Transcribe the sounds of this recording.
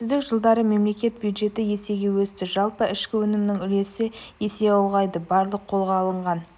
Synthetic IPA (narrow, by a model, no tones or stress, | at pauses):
zd̪ɪkʒəlˠd̪ɑɾəme̞mle̞kʲe̞t̪̚bjud̪ʒe̞t̪ɪje̞se̞ɡʲe̞wɵst̪ɪʒɑlˠpəɪʃkʲɪwɵnɪmnɪŋʏle̞sɪje̞se̞ɑlˠʁɑjd̪əbɑɾlˠəqʰːo̞lˠʁɑːlˠəɴʁɑn